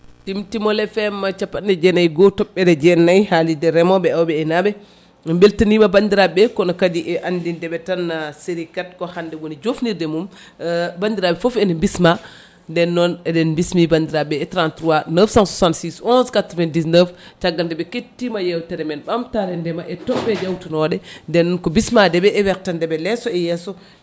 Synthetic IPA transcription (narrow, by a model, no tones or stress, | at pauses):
timtimɔlɛfɛmːat͡ʃapːatndɛd͡ʒɛnajɡɔtɔɓːɛdɛd͡ʒɛnajhalidɛɾɛmɔɓɛawbɛːnabɛ | mbeltinimabandiɾaɓɛkɔnɔkadiʔɛʔandindɛbɛtanːaseɾikat̚kɔhandɛwonid͡ʒofniɾdɛmum | bandiɾaɓɛfofɛndɛmbisma | ndɛnːɔnɛdɛnmbismibandiɾabɛːtɾantɾuwanəfsãnsusãntsisɔ̃nskatɾɔvɛndisnəft͡ʃaɡːaldɛbɛketːimajɛwtɛɾɛmɛnɓamtaɾɛndɛmaʔɛtɔbɛd͡ʒɛwtunɔdɛndɛnːɔnkɔbismadɛbɛɛwɛk̚tandɛbɛlɛsɔɛjɛsɔ